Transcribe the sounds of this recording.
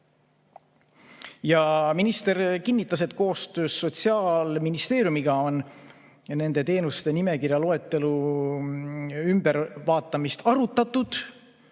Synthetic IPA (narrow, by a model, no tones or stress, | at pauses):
jɑminist̪e̞ɾkinːit̪ːˑɑset̪ːˑko̞ːst̪øːsːo̞t̪siɑːlminist̪e̞ːɾʲjumiɡɑo̞n | nːe̞nd̪̥e̞t̪e̞ːnust̪e̞nime̞kirɾjɑlo̞e̞t̪ːe̞lu | ymb̥e̞ɾvɑːt̪ːˑɑmist̪ɑɾut̪ːˑɑt̪ːˑud̪̥